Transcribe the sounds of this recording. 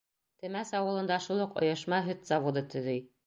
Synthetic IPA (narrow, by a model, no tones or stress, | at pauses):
t̪ɘ̆mæsɑwɤ̆lˠɤ̆nd̪ɑʃulˠɤqŏ̰jɤ̆ʃmɑɦɵt̪z̥ɑvod̪ɤt̪ɵ̆ðɘj